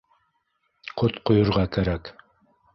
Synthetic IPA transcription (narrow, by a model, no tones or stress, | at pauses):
qʰot̪qʰojʊɾʁɑkʰæɾæk